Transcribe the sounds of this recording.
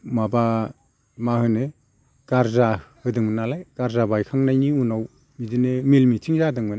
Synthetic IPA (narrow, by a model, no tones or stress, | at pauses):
maba | mahɯne | ɡ̥aɾzahɯdɯŋmɯnalajɡ̥aɾzabajkʰaŋnajniunaw | mizɯnemelmitʰiŋzadɯŋmɯna